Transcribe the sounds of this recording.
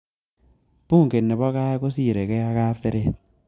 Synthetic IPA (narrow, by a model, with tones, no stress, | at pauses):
puː˦˨ŋke˨nːɛ˨bɔ˦ka˦ko˦si˦˨ɾe˨kɛ˦a˦ka˦pse˦ɾe˦˨t̪̚